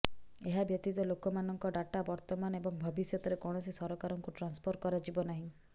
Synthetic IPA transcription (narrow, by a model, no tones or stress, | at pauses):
eɦabjɔt̪it̪ɔlokɔmanɔŋkɔɖaʈabɔɾt̪ɔmanɔebɔŋbʱɔbisjɔt̪ɔɾekɔɽ̃ɔsisɔɾɔkaɾɔŋkuʈɾanspʰoɾkɔɾad͡ʒibɔnaɦĩ